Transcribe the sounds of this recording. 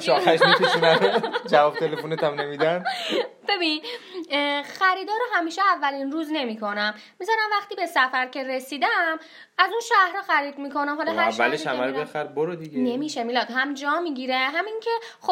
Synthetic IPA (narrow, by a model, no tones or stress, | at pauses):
ʃɒxæʃʃæd͡ʒævɒːb̚t̪ʰelefonet̪ʰæmnemid̪ænb̥e̞bin | xæɾiːd̪ɒːɾoɦæmiːʃeævːælinɾuːzne̞miːkʰo̞næmːizɒɾæmvæxt̪iːbe̞sæfæɾcʰe̞ɾesiːd̪æm | æzunʃæhɾɒːxæɾiːd̪miːkʰo̞næmɦɒlɒæævːæ̰leʃhæmæɾobexæɾboɾod̪iɡenemiʃemilɒːd̪ɦæmd͡ʒɒːmiɡiːɾeɦæmiŋcʰe̞ | xo